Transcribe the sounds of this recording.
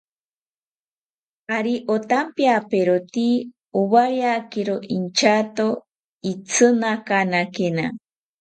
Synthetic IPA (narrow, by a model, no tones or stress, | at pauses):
aɾiʔot̪ampjapeɾot̪i | uβaɾjakeɾoʔint͡ʃat̪o | it͡sʰɨnakanakena